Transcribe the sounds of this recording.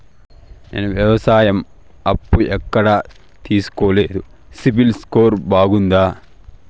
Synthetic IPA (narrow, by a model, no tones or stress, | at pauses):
ɛ̰nɐʋjɐʋɐsaːjɐm | ɐpːuɛkːɐɽɐ | t̪iːsu̥koːleːd̪u | sibilskoːɾbaːɡund̪aː